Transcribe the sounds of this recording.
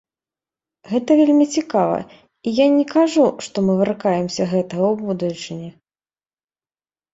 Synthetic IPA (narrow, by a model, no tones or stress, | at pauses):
ɣɛt̪ɐvʲelʲmʲit͡sʲikavɐ̰ | ijanʲɛkaʐuʂt̪ɔmɨvɨrkajɛmsʲɐɣɛt̪ɐɣɐwbud̪ut͡ʂɨnʲɛ